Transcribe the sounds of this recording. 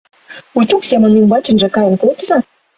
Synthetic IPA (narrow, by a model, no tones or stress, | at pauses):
ut̪uksʲemə̆nimbɑt͡ɕə̆nʒĕkɑjənkot̪ə̆zɑ